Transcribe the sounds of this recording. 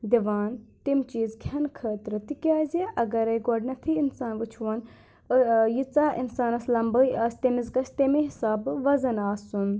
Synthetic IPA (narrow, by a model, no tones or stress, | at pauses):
d̪iʋaːnt̪imt͡ʃiːzkʰɐnkʰəːt̪ɾɐt̪ikʲaːzʲeʔɐɡɐɾɐjɡoɖnɐt̪ʰiinsaːnʋɨt͡ʃʰʋɐn | jit͡saːʔḭnsaːnɐslɐmbəiʔaːst̪emizɡɐst̪emeɦɪsaːbʋɐzɐnaːsun